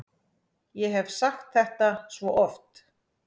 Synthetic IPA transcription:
jɛɦɛvsaxt̪θɛht̪asvɔʔɔft̪

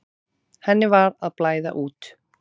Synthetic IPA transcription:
hɛnːɪvaɾaðplaːjða̰ʔuːt̪

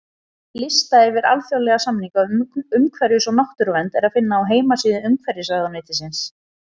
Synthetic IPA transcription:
lɪst̪aɛɾvɪɾa̰lθjawlɛɣasamniŋkaʏmkʰvɛɾjʏsɔnaht̪ʏɾvɛnt̪ɛɾaðfɪnːaːwɦeːjmasiːðɪʏmkʰvɛɾjɪsaːɣðanejt̪ɪsɪns

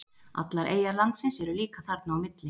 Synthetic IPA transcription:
a̰t̪laɾʔḛːjaɾlant̪sɪnsɛɾʏliːkaθaɾt̪nːwmɪt̪lɪ

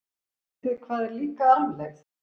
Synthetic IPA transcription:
t̪ɪðkʰvaːðɛɾliːkaaːvlɛxs

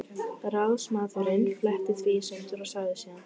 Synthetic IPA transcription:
ɾawðsmaːðʏɾɪnflɛht̪ɪθʰvisʏnt̪ʏɾasaɣðɪsiːan

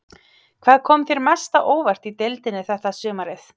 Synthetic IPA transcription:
kʰv̥aːðkʰɔːmθeɾmɛst̪aʔoːwvar̥t̪it̪elt̪ɪnɪθɛht̪asʏːmaɾɪθ

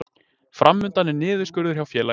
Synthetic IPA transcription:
fɾʔamːʏnt̪anːɪnɪːðʏskʏɾðʏɾ̥çjawfjɛːla

